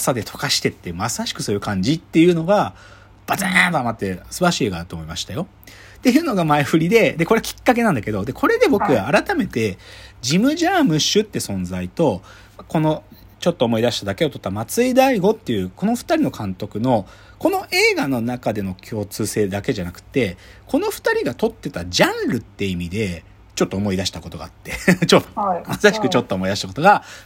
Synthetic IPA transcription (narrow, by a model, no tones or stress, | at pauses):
sad̪e̞t̪ʰo̞̥kaɕi̥t̪e̞t̪ːe̞masaɕi̥kɯ̟̥so̞ːjɯ̟kãɲ̟d͡ʑit̪ːe̞jɯ̟ːno̞ɡa | b̥azent̪oamat̪ːe̞sɨbaɾaɕiːeːɡaːɾɯt̪oːmoimaɕi̥t̪ajo̞ | t̪e̞jɯ̟ːno̞ɡamaeɸɯ̟ɾʲid̪e̞d̪e̞ko̞ɾe̞akʲi̥kːak̬e̞nãnd̪ake̞d̪o̞d̪e̞kʰo̞ɾe̞d̪e̞bo̞kɯ̟aaɾat̪ame̞t̪e̞d͡ʑimɯ̟ʑaːmɯ̟ɕɨt̪ːe̞sõ̞nd͡zait̪o̞ | ko̞no̞ | t͡ɕot̪ːoːmo̞id̪aɕi̥t̪ad̪ake̞o̞t̪o̞t̪ːamat͡sɨid̪aiɡo̞t̪ːe̞iɯ̟ːkʰo̞no̞ɸɯ̟̥t̪aɾʲino̞kʰãnt̪o̞kɯ̟no̞ | ko̞no̞ʔe̞ːɡano̞nakad̪e̞no̞kʲʰo̞ːt͡sɨːse̞ːd̪ake̞ʑanakɯ̟̥t̪ːe̞kʰo̞no̞ɸɯ̟̥t̪aɾʲiɡat̪o̞t̪ːe̞t̪ad͡ʑãnɾɯ̟t̪ːe̞imʲid̪e̞ | t͡ɕo̞t̪ːo̞ːmo̞id̪aɕi̥t̪ako̞t̪o̞ɡa̰ːt̪ːe̞t͡ɕot̪ːomasaɕi̥kɯ̟t͡ɕo̞t̪ːoːmo̞id̪aɕit̪ako̞t̪o̞ɡa